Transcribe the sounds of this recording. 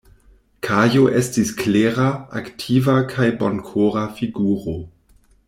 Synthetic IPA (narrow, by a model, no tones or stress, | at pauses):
kʰajoʔestiskleʁaa̰ktʰivakʰajbonkʰoʁafiɡuːʁo